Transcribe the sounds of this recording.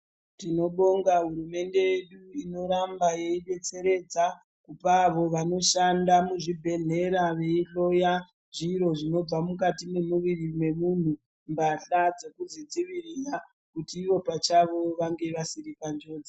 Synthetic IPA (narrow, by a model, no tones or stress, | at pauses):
tino̞ɓo̞ŋɡaɦuɾume̞nde̞jeɗuino̞ɾambaje̞iɓe̞t͡se̞ɾe̞d͡za | kupaːʋo̞ʋano̞ʃandamuʐibʱe̞ɮe̞ɾaʋe̞iɬo̞ja | ʐiɾo̞ʐino̞b͡vamukatine̞muʋirimwe̞mun̤u | mbaɬad͡zekuzid͡ziʋirira | kutiːʋo̞pat͡ʃaʋo̞ʋaŋɡe̞ʋasiɾikand͡ʒo̞ːd͡ze